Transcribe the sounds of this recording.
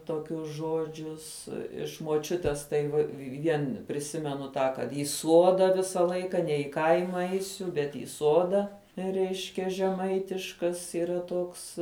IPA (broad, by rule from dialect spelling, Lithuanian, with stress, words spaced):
toːˈkʲʊs ˈʒoːd͡ʒʲʊs ɪʃ moːˈt͡ʃʲʊtʲeːs tɐɪ ʋɐ ˈʋʲiɛn pʲrʲɪˈsʲɪmʲɛnʊ tɑː kɐt ɪ ˈsuɔdɐ ˈʋʲɪsɐ ˈlˠɐɪkɐ nʲɛ ɪ ˈkɐɪmɐ ˈɛɪsʲʊ bʲɛt iː ˈsoːdɐ ˈrʲɛɪʃʲkʲɛ ʒʲɛˈmɐɪtʲɪʃkɐs iːˈrɐ ˈtoːks